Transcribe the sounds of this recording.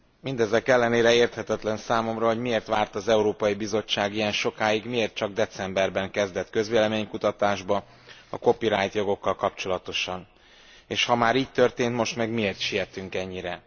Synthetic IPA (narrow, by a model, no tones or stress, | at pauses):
mind̪ɛzɛkɛlːɛneːɾɛeːrt̪hɛt̪ɛt̪lɛnsaːmo̞mrɒɦo̞ɟmieːrt̪ʋaːrt̪ɒzɛuɾoːpɒjibizo̞t͡ʃːaːɡijɛnʃo̞kaːjiɡmieːrt̪̚t͡ʃɒɡ̚d̪ɛt̪sɛmbɛrbɛŋkɛzd̪ɛt̪kø̞zʋeːlɛmeːɲkut̪ɒt̪aːʒbɒ | ɒ̰ko̞piɾaːjt̪jo̞ɡo̞kːɒlkɒpt͡ʃo̞lɒt̪o̞ʃɒn | eːʃhɒmaːɾiːc̚t̪ørt̪eːnt̪mo̞ʃt̪mɛɡmieːrt̪ʃijɛt̪yŋkɛɲːiɾɛ